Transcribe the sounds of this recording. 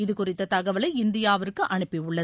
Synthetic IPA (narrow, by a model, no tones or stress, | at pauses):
ɪðɯkʊrɪt̪ːɐt̪ɐɣɐʋɐlɐɪɪnd̪ɪjaːʋɐɾkːɯʔɐɳɯpːɪʊɭːɐ